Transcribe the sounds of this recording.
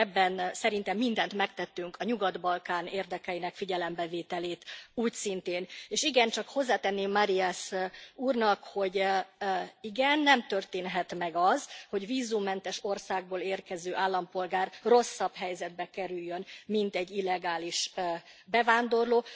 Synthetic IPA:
ɛbːɛnsɛɾint̪ɛmːind̪ɛnt̪mɛkt̪ɛt̪ːyŋkɒɲuɡɒd̪bɒlkaːneːrd̪ɛkɛjinɛkfiɟɛlɛmbɛveːt̪ɛleːt̪uːcsint̪eːneːʃiɡɛnt͡ʃɒkho̞zːaːt̪ɛnːeːmːaɾiasuːrnɒkho̞ɟ | iɡɛnːɛmt̪ø̞rt̪eːnɦɛt̪mɛɡɒzho̞ɟviːzumːɛnt̪ɛʃo̞rsaːɡ̚boːleːrkɛzøːʔaːlːɒmpo̞lɡaːrro̞sːɒbɦɛjzɛd̪̚bɛkɛɾyjːønmint̪ɛɟːilːɛɡaːliʃ | bɛvaːnd̪o̞rloː

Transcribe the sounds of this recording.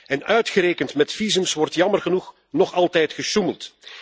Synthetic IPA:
ɛnœɥtxəɾeːkəntmɛtfizəmsʋɔrtjɑmərɣənux | nɔχɑlˠtɛjtxəʃuməlˠt

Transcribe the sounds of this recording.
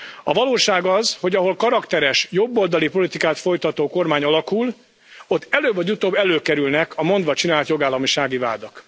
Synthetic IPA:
ɒvɒloːʃaːɡɒzho̞ɟɒɦo̞lkɒɾɒkt̪ɛɾɛʃjo̞bːoːld̪ɒlipo̞lit̪ikaːt̪fo̞jt̪ɒt̪oːko̞rmaːɲɒlɒkul | o̞t̪ːɛløːbvɒɟut̪oːbːɛløːkɛɾylnɛkʰɒmo̞nd̪ʋɒt͡ʃinaːlt̪jo̞ɡaːlːɒmiʃaːɡiva̰ːd̪ɒk

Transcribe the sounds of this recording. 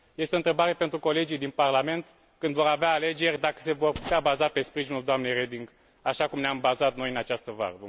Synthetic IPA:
je̞st̪eo̞nt̪ɾebaɾe̞pe̞nt̪ɾuko̞le̞d͡ʒijd̪inparlame̞nt̪ | kɨnd̪vo̞ɾaveaːle̞d͡ʒe̞rʲd̪akə̥se̞vo̞rpu̥t̪eabazape̞spɾiʒinuld̪oamne̞jred̪iŋɡ | aʃakumneambazat̪no̞jɨnat͡ʃast̪əva̰ɾəv

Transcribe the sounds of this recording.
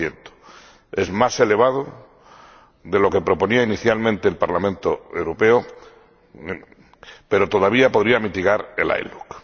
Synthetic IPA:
jent̪o̥ | e̞zmase̞le̞βað̞o | ðe̞lo̞ke̞pɾo̞po̞niainiθjalmẽnt̪eːlpaɾlamẽnt̪oewɾopeo | pe̞ɾot̪o̞ð̞aβ̞iapoðɾiamit̪iɣ̞aɾe̞̰la̰jluk

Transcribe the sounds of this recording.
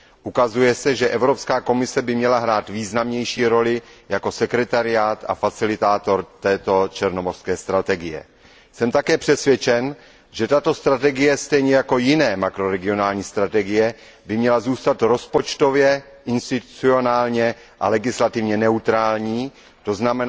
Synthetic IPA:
ʔukazujɛsɛʒɛʔɛvɾo̞pskaːko̞mɪsɛbɪmɲɛlaɦɾaːt̪viːznamɲɛjʃiːɾo̞lɪjako̞sɛkɾɛt̪aɾɪjaːt̪a̰fat͡sɪlɪt̪aːt̪o̞ɾt̪ɛːt̪o̞t͡ʃɛɾno̞morskɛːst̪ɾat̪ɛɡɪjɛ̰ | sɛmt̪akɛːpr̝̥ɛsvʲjɛt͡ʃɛn | ʒɛt̪at̪o̞st̪ɾat̪ɛɡɪjɛst̪ɛjɲɛjako̞jɪnɛːmakɾo̞ɾɛɡɪonaːlɲiːst̪ɾat̪ɛɡɪjɛ | bɪmɲɛlazuːst̪at̪ɾo̞spo̞t͡ʃt̪o̞vjɛ | ʔɪnst̪ɪt̪u̥t͡sio̞naːlɲɛ | ʔa̰lɛɡɪslat̪ɪvɲɛnɛut̪ɾaːlɲiː | t̪o̞znamɛn

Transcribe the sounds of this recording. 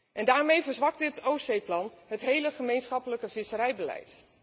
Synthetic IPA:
ʔɛndaːɹmejvəɹzʋɑk̚dɪtowsejplɑnətɦejləχəmejnsχɑpələkəv̥ɪsərɛjbəlɛ̰jt

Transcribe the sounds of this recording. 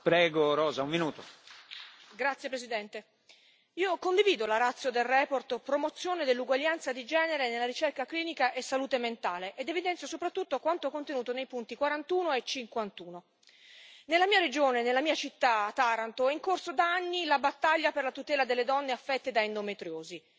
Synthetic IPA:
pɾɛːɡoɾɔːzaumminuːt̪o | ɡɾat̪sjepɾesid̪ɛnt̪e | iːokond̪iviːd̪olaɾat̪sːjod̪elrɛːport̪pɾomot̪sːjoːned̪elːuɡwaʎːant̪sad̪id͡ʒɛːneɾenelaɾit͡ʃerkakliːnikaʔesːaluːt̪ement̪aːleʔːd̪evid̪ɛnt̪sjosopɾat̪ːut̪ːokwant̪okont̪enuːt̪onejpunt̪ikwaɾant̪uːnoet͡ʃːiŋkwant̪uːno | nelːamiːaɾed͡ʒoːnenːelːamiːat͡ʃit̪ːat̪ːaɾant̪oiŋkorsod̪aanːilabat̪ːaʎːaperlat̪ut̪ɛːlad̪elːed̪ɔnːeafːɛt̪ːed̪aind̪omet̪ɾjoːzi

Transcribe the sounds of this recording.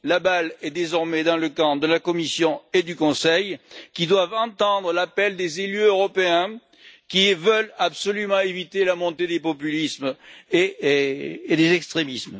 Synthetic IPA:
labalɛd̪ezɔʁmɛd̪ɑ̃ləkɑ̃d̪əlakɔmisjɔ̃ed̪ykɔ̃sɛjkʲid̪wavɑ̃t̪ɑ̃d̪ʁəlapɛld̪ezelyøʁɔpeɛ̃ | kʲivəlabsɔlymɑ̃evit̪elamɔ̃t̪ed̪epɔpylismeː | d̪ezɛkst̪χemism

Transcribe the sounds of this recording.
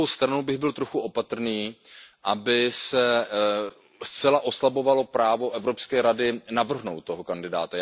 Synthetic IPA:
owst̪ɾanubɪɣbɪlt̪ɾo̞xuʔo̞pat̪r̩niːʔabɪsɛ | st͡sɛlaʔo̞slabo̞valo̞pɾaːvo̞ʔɛvɾo̞pskɛːɾadɪnavr̩ɦnowt̪tːoɦokandɪdaːt̪a

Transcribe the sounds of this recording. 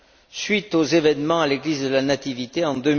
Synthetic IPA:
sɥit̪ozevɛnmɑ̃aleɡlizd̪əlanat̪ivit̪eɑ̃d̪ø

